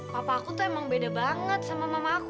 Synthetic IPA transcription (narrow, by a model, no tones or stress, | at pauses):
papaːkut̪uemaŋbedabaŋət̪̚samamamak